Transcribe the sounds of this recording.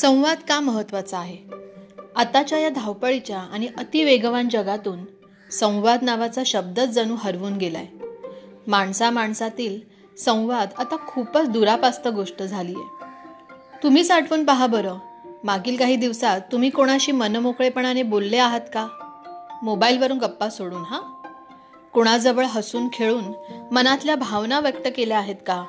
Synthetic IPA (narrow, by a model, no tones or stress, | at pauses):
sə̃w̃ʋad̪kaməɦət̪ːʋat͡səaɦe | at̪at͡ɕjajad̪ʱawpəɭit͡ɕjaaɽ̃iʔət̪iʋeɡʋand͡ʑəɡat̪uːn | sə̃w̃ʋad̪naʋat͡saɕəb̚d̪ət͡sd͡zənuːɦəɾʋuːnɡela̰j | maɳsamaɳsat̪iːl | sə̃w̃ʋad̪at̪akʰupət͡sd̪uɾapast̪əɡoʂʈəd͡zʱaliːjḛ | t̪um̤iːsaʈʰʋuːnpəɦabəɾəmaɡiːlkaɦiːd̪iʋsat̪ːum̤iːkoɽ̃aɕiːmənmokɭepəɳanebolːeaɦat̪ka | mobailʋəɾuːnɡəpːasoɽuːnɦa | koɽ̃ad͡zəʋəɭɦəsuːnkʰeɭuːnmənat̪ljabʱaʋnaʋjək̚t̪əkeleaɦet̪ka